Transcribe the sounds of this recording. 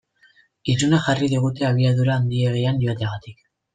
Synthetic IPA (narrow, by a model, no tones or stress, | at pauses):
isunaxariðiɣ̞ut̪e̞aβ̞iaðuɾaːnd̪ieɣ̞e̞janʎo̞at̪eaɣat̪ik